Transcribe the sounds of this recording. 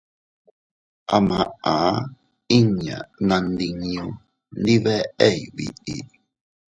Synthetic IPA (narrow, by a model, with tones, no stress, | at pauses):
ʔa˨mã˨a˨˦ | i˦˨ɲã̰˨nã˧ndi˧ŋĩ˦ũ˧ | ndi˦βɛ˦ʔe˦˨jβḭ˨ʔḭ˨